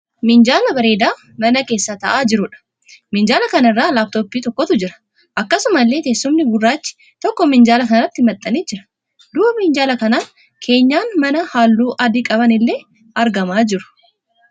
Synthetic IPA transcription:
mɪnd͡ʒaːlɐbɐɾe̞ːd̪aː | mɐnɐke̞ːsːat̪ɐʔaːd͡ʒɪɾʊᶑɐ̥ | mɪnd͡ʒaːlɐkɐnɪrːaːlaːbt̪oːpːiːt̪ɔkːɔt̪ʊd͡ʒɪɾɐ̥ | ʔɐkːɐsʊmɐlːeːt̪eːsːʊmnɪɡʊrːaːt͡ʃːɪ̥ | t̪ɔkːɔmɪnd͡ʒaːlɐkɐnɾɐt̪ːɪmɐt̪ʼːɐniːd͡ʒɪɾɐ̥ | d̪uːbɐmɪnd͡ʒaːlɐkɐnaːn | kʰe̞ːɲːaːnmɐnɐhaːlːuːʔɐd̪ɪkʼɐbɐnɪlːe̞ː | ɐɾɡɐmaːd͡ʒɪɾʊ̥

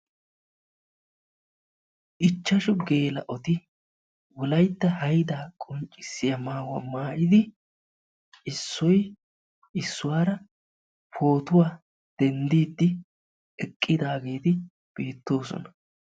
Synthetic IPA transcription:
ʔɪt͡ʃːɐʃʊɡe̞ːlɐ̰ʔɔt̪ɪ | wɔlɐjt̪ːɐhɐjd̪aːkʼɔnt͡ʃʼːɪsːɪjɐmaːwɐ̰maːʔɪd̪ɪ | ɪsːɔj | ɪsːʊwaːɾɐ | pʰo̞ːt̪ʊwaː | d̪̥ɛnd̪iːd̪ːɪ | ɛkʼːɪd̪aːɡe̞ːt̪ɪ | b̥e̞ːt̪ːo̞ːsɔ̰nɐ

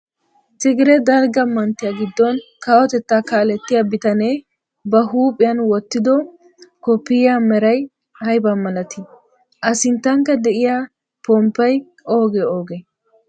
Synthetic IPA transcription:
t̪ɪɡɪɾɛd̪ɐlɡɐmɐnt̪ːɪjaɡɪd̪ːɔnkɐwɔt̪ɛt̪ːaːkaːlɛt̪ːɪjabɪt̪ɐneː | bɐɦuːpʼɪjɐnwɔt̪ːɪd̪ɔ | kɔpːɪjaːmɛɾɐj | hɐjbɐmɐlɐt̪ɪ | ʔɐsɪnt̪ːɐŋkɐd̪ɛʔɪja | pɔmpːɐj | oːɡɛoːɡe

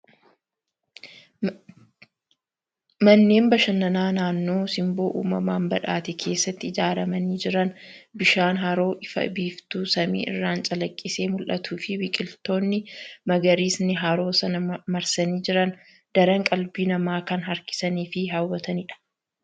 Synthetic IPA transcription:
mɐnːe̞ːmbɐʃɐnːɐnaːnaːnːo̞ːsɪmbo̞ːʔṵːmɐmaːmbɐᶑa̰ːt̪ɪkʰe̞ːsːɐt̪ːɪɪd͡ʒaːɾɐmɐniːd͡ʒɪɾɐnbɪʃaːnɦɐɾo̞ːʔɪfɐ̰biːft̪uːsɐmḭːʔɪ̰rːaːnt͡ʃʼɐlɐkʼːɪse̞ːmʊlʔɐ̰t̪ʰuːfɪwɪkʼɪlt̪o̞ːnːɪmɐɡɐɾiːsnɪɦɐɾo̞ːsɐnɐmɐɾsɐniːd͡ʒɪɾɐn | d̪̥ɐɾɐŋkʼɐlbiːnɐmaːkɐnɦɐɾkɪ̥sɐniːfɪɦɐwːɐt̪ɐnɪᶑɐ̥

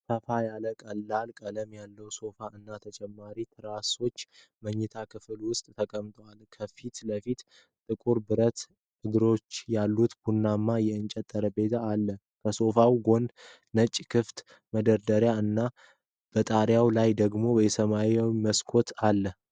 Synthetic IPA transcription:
səfajaləkʼəlːalkʼələmjalːəwso̞faʔɨnːat̪ʰət͡ʃʼɛmːaɾit̪ʰɨɾaso̞t͡ʃːməɲːɛt̪ʰakʰɨfɨlwʊst̪ʼt̪ʰəkʼəmt̪ʼwalkʰəfit̪ləfit̪ | t̪ʼɨkʼuɾbɨɾət̪ | ʔɨɡ̪ɨɾo̞t͡ʃːjalːut̪bunːamːajɛɨnt͡ʃʼɛt̪ʼːəɾəbe̞t̪ʰaalːə | kʰəso̞fawɡo̞nː | ət͡ʃʼkʰɨft̪ | məd̪əɾd̪əɾjaɨnːa | b̥ət̪ʼaɾjawlajd̪əɡmo̞bəjɛsəmawwməskʰo̞t̪ʰalːə

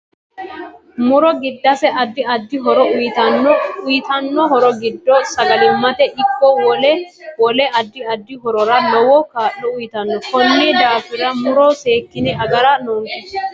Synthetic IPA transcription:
mʊɾɔɡɪd̪ːɐsɛɐd̪ːɪɐd̪ːɪɦɔɾɔʊjɪt̪ɐnɔʊjɪt̪ɐnːɔɦɔɾɔɡɪd̪ːɔsɐɡɐlɛmɐt̪ɛʔɪkːɔwɔlɛwɔlɛʔɐd̪ːɪɐd̪ːɪɦɔɾɔɾɐnɔwɔkaːʔːɔʊjɪt̪ɐnːɔkɔnːɛd̪aːfɪɾɐmʊɾɔseːkːɪnɛɐɡɐɾɐnɔːŋɡɪ

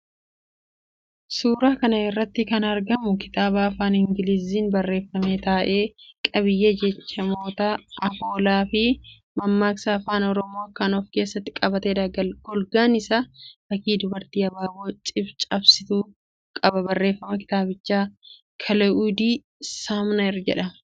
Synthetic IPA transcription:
suːɾaːkɐnɐɪrːɐt̪ːɪkɐnɐɾɡɐmʊkɪ̥t̪aːbaːfaːnɪŋɡɪliːziːnbɐrːe̞ːfːɐmeːt̪aːʔe̞ːkʼɐβɪjːeːd͡ʒɛt͡ʃːɐmo̞ːt̪ɐɐfoːlaːfɪ | mɐmːaːksaːfaːnɔɾɔmo̞ːɐkːɐnɔfke̞ːsːɐt̪ːɪ̥kʼɐbɐt̪ɛd̪ɐɡɐlɡ̥ɔlɡaːnɪsafɐkiːd̪ʊbɐɾt̪iːɐbaːboːt͡ʃʼɪbt͡ʃʼɐbsɪt̪uː | kʼɐbɐbɐrːe̞ːfːɐmɐkɪ̥t̪aːbɪt͡ʃːaː | kʰɐlɐud̪iː | saːmnɐɪrd͡ʒɛ̰ᶑɐ

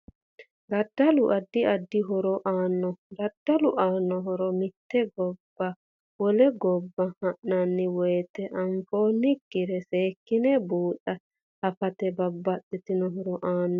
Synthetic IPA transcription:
d̪ɐd̪ːɐlʊʔɐd̪ːɪɐd̪ːɪɦɔɾɔʔaːnːɔd̪ɐd̪ːɐlʊʔaːnːɔɦɔɾɔmɪt̪ːɛɡɔbːɐ | wɔlɛɡɔbːɐhɐʔnɐnːɪwɔjt̪ɛʔɐmfoːnːɪɡɪɾɛseːkːɪnɛbuːt̪ʼɐ | hɐfɐt̪ɛbɐbːɐtːɪt̪ɪnɔɦɔɾɔʔaːnːɔ

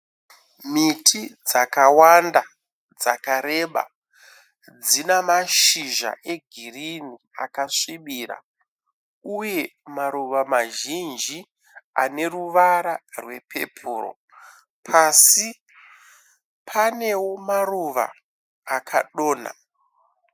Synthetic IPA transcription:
mitʰid͡zakawanda | d͡zakaɾe̞ɓa̰ | d͡zinamaʃiʒa̰ʔe̞ɡʱirinia̰kaʂiɓiːra̰ | uje̞maɾuʋamaʒind͡ʒi | a̰ne̞ruʋaɾarwe̞pʰe̞̰pʰuːro̞̰ | pʰasi | pʰane̞wo̞maruʋa̰ː | kʰa̰ɗoːna̰

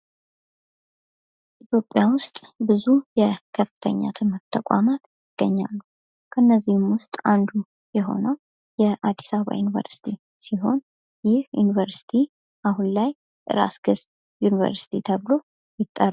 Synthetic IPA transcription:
ʔit̪ʰjo̞pʼːjawʊst̪ʼbɨzujɛkʰəfɨ̥t̪ʰə̰ɲːa̰t̪ʰɨmhɨɾt̪ʰːəkʷʼa̰mat̪jɪɡ̥ːəɲːa̰lːu | kʰənːəzːihɨmwʊst̪ʼand̪u | jɛɦo̞̰nəw | jɛʔad̪ːi̥saβa̰junivə̰ɾsi̥t̪ʰi | siɦo̞n | jɪhjṵnivəɾsi̥t̪ʰi | ʔaɦunlaj | ʔɨ̰ɾa̰sɡɨz | junivə̰ɾsi̥t̪ʰit̪ʰəβɨlo̞ | jɪt̪ʼːər

